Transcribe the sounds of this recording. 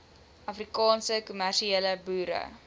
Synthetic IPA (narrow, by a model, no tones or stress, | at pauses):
ʔɐfrikɑːnsəkumærʃieːləbuːɾə̰